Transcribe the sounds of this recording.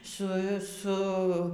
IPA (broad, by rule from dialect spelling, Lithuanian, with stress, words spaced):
ˈsʊ ˈsʊ